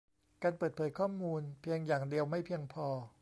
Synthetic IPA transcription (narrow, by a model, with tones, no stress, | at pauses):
kaː˧npɤː˨˩t̪̚pʰɤː˩˦jkʰɔː˥˩muː˧npʰi˧əŋjaː˨˩ŋdi˧əwma˥˩jpʰi˧əŋpʰɔː˧